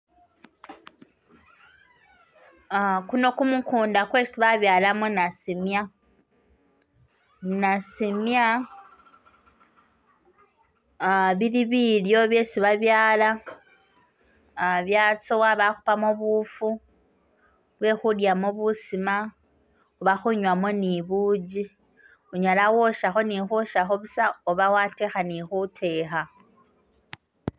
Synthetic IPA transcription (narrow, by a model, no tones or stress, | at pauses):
kuno̞kumukuːndakwe̞siβaβjaːlamunasimja | nasimja | βiɾiβiːljo̞βje̞ːsiβaβjaːla | βjat͡sowaβaxupamoβufu | βwe̞xuljamoβusima | uβaxuɲwamoniβud͡ʒi | uɲalawoʃaxo̞nixoʃaxoβusaoβawatexanixutʰe̞xa